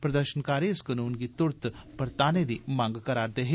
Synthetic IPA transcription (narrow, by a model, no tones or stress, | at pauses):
pɾɐd̪əɾʃənkaːɾeskɐnuːnɡit̪ʊɾt̪pɐɾt̪aːned̪imãːŋɡkɐɾaːɾd̪eːɦe